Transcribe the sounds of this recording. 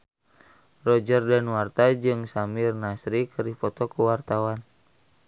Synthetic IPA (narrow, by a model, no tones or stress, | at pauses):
rɔd͡ʒərdanwart̪ad͡ʒɨŋsamirnasɾikəɾihpɔt̪ɔkuwart̪awan